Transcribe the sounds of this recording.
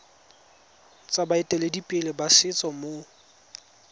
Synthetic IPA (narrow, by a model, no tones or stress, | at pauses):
t͡sʼabaɛtʼɛledipʼɛlɪbasɪt͡sʼɔmo